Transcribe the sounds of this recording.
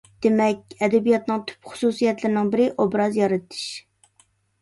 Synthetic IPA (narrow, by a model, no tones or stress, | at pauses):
d̪̥emɛkʲɛd̪ɛbijɑt̪nɨŋt̪ʰy̥pχʊ̥susijɛt̪lɪɾɪnɪŋbɪɾɪʔobɾɑzjɑɾɨt̪ʰɨ̥ʃ